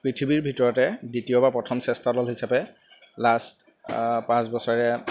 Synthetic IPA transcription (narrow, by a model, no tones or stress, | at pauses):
pɹitʰibiɹbʱitɔɹɔtɛditijɔbapɹɔtʰɔmsɛstadɔlɦisapɛ | last | pãsbɔsɔɹɹɛ